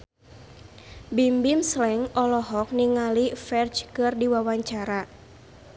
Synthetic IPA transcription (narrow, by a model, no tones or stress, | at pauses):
bimbimslɛŋɔlɔɦɔk̚niŋalifɛrt͡ʃkɨrdiwawaɲt͡ʃaɾa